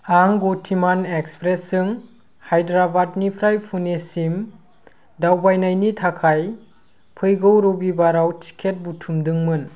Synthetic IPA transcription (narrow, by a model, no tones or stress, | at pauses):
aŋɡotʰimanekspɾesːɯŋ | hajdɾabat̚nipʰɾajpʰunesim | dawbajnajnitʰakʰaj | pʰɯjɡɯwɾobibaɾawtʰi̥kʰet̚butʰumdɯŋmɯn